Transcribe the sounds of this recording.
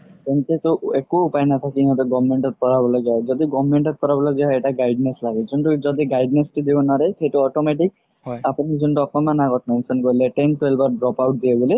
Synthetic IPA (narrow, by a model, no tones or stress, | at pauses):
tentet̪uekuːpajnat̪ʰakiiɦɔ̃t̪ɔɡɔbmeɳʈɔt̪̚pɔɾabɔlaɡaɦd͡ʒɔd̪iɡɔbmeɳʈɔt̪̚pɔɾabɔlad͡ʒaɦeʈaɡajɖneslaɡezɔnʈud͡ʒɔd̪iɡajɖnesʈid̪ibɔnaɾesejʈuɔʈomeʈ̬ik̚ | apunizɔnʈuɔkɔmanaɡɔt̪mensɔnkɔleʈenʈwelbaɾɖɾɔpawʈ̚d̪iaɡɔli